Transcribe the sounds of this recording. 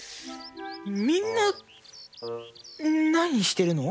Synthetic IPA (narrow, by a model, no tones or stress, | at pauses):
mʲĩnːa | naɲ̟iɕi̥t̪e̞ɾɯ̟no̞